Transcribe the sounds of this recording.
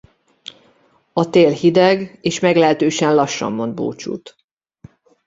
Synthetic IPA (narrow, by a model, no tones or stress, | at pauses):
ɒt̪eːlhid̪ɛɡeːʃmɛɡlɛɛt̪øːʃɛnlɒʃːɒ̰mːo̞nd̪̚bo̰ːt͡ʃṵːt̪